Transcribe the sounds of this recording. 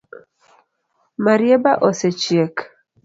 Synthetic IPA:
maɾjebaʔɔset͡ʃjek

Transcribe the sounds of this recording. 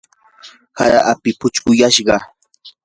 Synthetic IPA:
haɾa̰ʔapɪpʊt͡ʃkʊjaʃɢɑ

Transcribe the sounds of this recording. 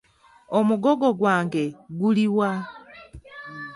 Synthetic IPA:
o̞muɡo̞ɡo̞ɡwaːŋɡe̞ɡuliwa

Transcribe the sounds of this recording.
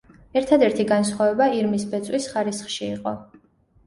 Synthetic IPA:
ɛɾt̪ʰad̪ɛɾt̪ʰiɡansχwavɛbaiɾmisbɛt̪sʼwisχaɾisχʃiːqʼɔ

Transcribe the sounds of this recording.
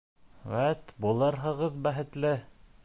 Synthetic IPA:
wæt̪bulˠɤɾɦɤ̆ʁɤðbæɦɘ̆t̪lɘ

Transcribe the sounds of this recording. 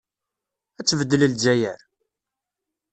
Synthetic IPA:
æt͡sːvəd̪ːələld͡ʒæjəɾ

